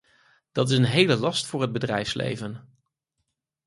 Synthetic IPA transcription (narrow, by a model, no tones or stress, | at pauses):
d̥ɑtɪsənɦejləlɑstfʊːɹɦəd̚bədrɛjfslḛjvən